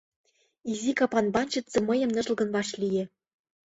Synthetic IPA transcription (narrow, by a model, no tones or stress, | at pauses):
izikɑpɑnbɑnʲt͡ɕə̆t̪t͡sɤ̆mɤ̆jɤ̆mnɤ̆ʒ̆lɡɤ̆nβɑʃlijĕ